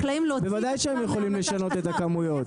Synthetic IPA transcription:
klaimlobevad̪ajʃeemjeχo̞limleʃano̞t̪et̪akamujo̞t̪

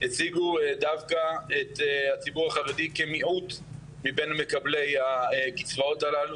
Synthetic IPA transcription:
et͡siɡudavkaethat͡sibuʁaχaʁedikemiʔut | mibe̞name̞kable̞jakit͡svao̞talalu

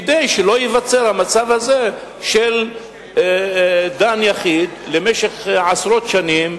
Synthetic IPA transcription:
d̪ejʃelo̞jevat͡seʁhamat͡savaze | ʃel | d̪anjaχid̪lemeʃeχʕasʁo̞t̪ʃanim

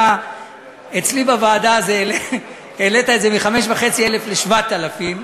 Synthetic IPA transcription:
a | et͡slibavaːd̪aːzele | elet̪aeze̞miχame̞ʃvaχe̞t͡siele̞fle̞ʃvat̪alafim

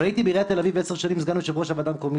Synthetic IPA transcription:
ait̪ibeiʁeat̪elaviveseʁʃanimizɡanuʃebeo̞ʃavad̪amkomi

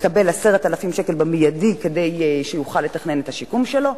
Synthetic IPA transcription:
kabe̞lase̞ʁet̪alafimʃekelbemijadike̞dejʃejuχalːe̞taχne̞nethaʃikumʃelo̞

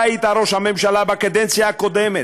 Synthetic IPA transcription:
it̪aɾoʃhamemʃalabakad̪ɛnt͡sijaːkod̪ɛme

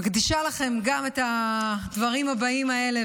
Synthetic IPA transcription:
ɡd̪iʃalaχe̞mɡametad̪vɐʁimhabaimae̞le

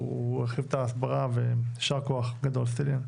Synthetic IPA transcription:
ɛχivt̪aːsbaʁaveʃaʁkoaχɡad̪olsilin

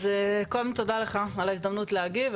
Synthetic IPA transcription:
zekolmint̪o̞d̪aleχaalaizd̪ɐmnut̪leaɡiv

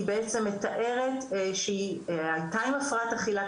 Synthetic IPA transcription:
ibeet͡se̞mːe̞t̪aʔe̞ʁe̞tʃeiajt̪ajmafʁataχila

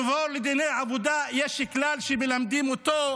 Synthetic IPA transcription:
voɾled̪inejʕabud̪ajeʃklalʃemelamd̪imot̪o

